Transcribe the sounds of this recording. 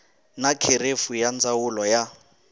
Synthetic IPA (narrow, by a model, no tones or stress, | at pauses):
nakʰeɾefujand͡zawulɔja